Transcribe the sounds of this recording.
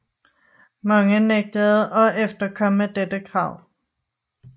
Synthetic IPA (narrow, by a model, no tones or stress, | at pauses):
mɑ̈ŋəneɡ̥̚d̥əð̩ˠʔɒ̽efd̥ɐkʰɒ̽məd̥ed̥əkʰʁɑ̈ʊ̰